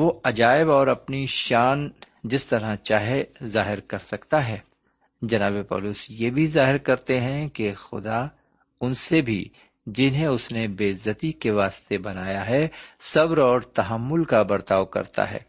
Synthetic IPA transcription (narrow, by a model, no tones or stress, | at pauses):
ʋoɐd͡ʒaːɪbɔːɾɐpniʃaːn | d͡ʒɪst̪ɐɾãt͡ʃaːɦezaːɦɪɾkɐɾsɐkt̪aɦɛː | d͡ʒɐnaːbepɔ̰ːlʊsjebʱizaːɦɪɾkɐɾt̪eɦɛ̃kexʊ̰d̪a | ʊnsebʱḭ | d͡ʒɪnɦẽʊsnebeːzɐət̪ikeʋaːst̪ebɐnaːjaɦɛsɐbɾɔːɾt̪ɐɦəmːʊlkabɐɾt̪aːʋkɐ̰ɾt̪a̰ɦɛ̰ː